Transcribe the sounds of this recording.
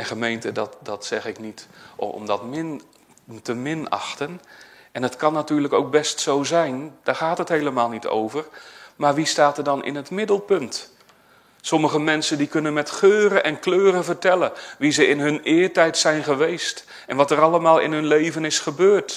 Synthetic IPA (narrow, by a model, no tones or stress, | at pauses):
ɛnχəmejntədɑtdɑtsɛχɪknitmdɑtmɪn | təmɪnɑ̰xtənʔɛnətkɑnːatyːɹləkowk̚bɛstsowzɛjnd̥aːɹχaːtɦəthejləmaːlˠnitʰo̰wvərmaːɹʋistaːtərdɑnɪ̰nɦətmɪdəlˠpɵnt | sɔməχəmɛnsəndikɵnənmɛtχøːɾəʔɛnkløːɾəvəɹtɛləʋizəɪnɦɵnɪːɹtɛjtsɛjnχəʋejst | ʔɛnʋɑtəɾɑlˠəmaːlˠɪ̰nɦɵnlejvənɪsχəbøːɹt